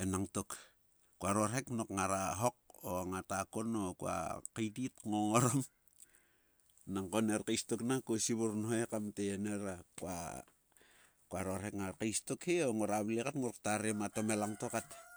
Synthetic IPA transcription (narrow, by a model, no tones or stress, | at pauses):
enaŋtok | kuaɾo̞ɾheknokŋaɾaɦo̞k̚oŋatakonokua̰kejditŋoŋoɾom | naŋkoneɾkejstoknakosiβuɾnhoekamteeneɾakua̰ | kuaɾoɾhekŋaɾkejstokheoŋoɾaβlekatŋoɾktaɾemato̞melaŋtokat